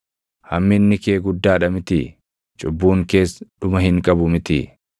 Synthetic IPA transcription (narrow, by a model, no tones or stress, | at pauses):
hɐmːɪnːɪke̞ːɡʊd̪ːaːᶑɐmɪt̪ɪ̰ | t͡ʃʼʊbːuːŋke̞ːsᶑʊmɐhɪŋkʼɐbʊmɪt̪ɪ̰